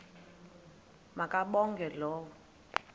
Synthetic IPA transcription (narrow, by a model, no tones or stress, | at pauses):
makʼaɓɔŋɡʱɛlɔːwɔ